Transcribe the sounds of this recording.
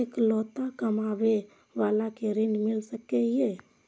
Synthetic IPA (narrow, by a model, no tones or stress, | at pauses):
eklɔt̪akəmabe | ʋalakeɾinɖmilsəkɛɦie